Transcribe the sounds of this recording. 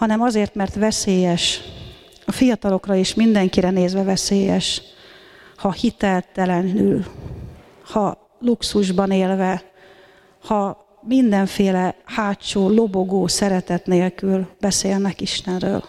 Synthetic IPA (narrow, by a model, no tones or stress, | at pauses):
hɒnɛmɒzeːrt̪mɛrt̪ʋɛseːjɛʃ | ɒfijɒt̪ɒlo̞krɒiʃmind̪ɛŋkiɾɛneːzʋɛvɛseːjɛʃ | hɒhit̪ɛlt̪ɛlɛnyl | hɒ | luksuʒbɒneːlvɛ | hɒ | mind̪ɛɱfeːlɛhaːt͡ʃoːlo̞bo̞ɡoːsɛɾɛt̪ɛt̪neːlkylbɛseːlnɛkiʃt̪ɛnrø̰ːl